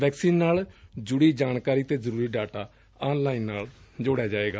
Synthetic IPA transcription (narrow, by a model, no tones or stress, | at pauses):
ʋɛːksiːnːaːld͡ʒʊɽiːd͡ʒaːnkaːɾiːt̪eːzəɾuːɾiːɖaːʈaː | aːnlaːiːnːaːld͡ʒoːɽjaːd͡ʒaːeːɡaː